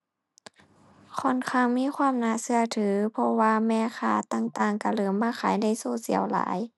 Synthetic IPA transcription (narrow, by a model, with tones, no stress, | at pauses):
kʰɔː˧˩˨nkʰaː˧˩˨ŋmiː˧˥˨kʰwaː˧˥˨mnaː˧˩˨sɯ˧ɐt̪ʰɯː˨˦pʰɔ˧waː˧mɛː˧˥˨kʰaː˧˩t̪aː˧˥˨ŋt̪aː˧˩ŋka˧˩lɤː˨˦mːaː˧˥˨xʰaː˨˦jda˧˥˨jsoː˧˩˨sḭ˨˦ɐəwla̰ː˨˦j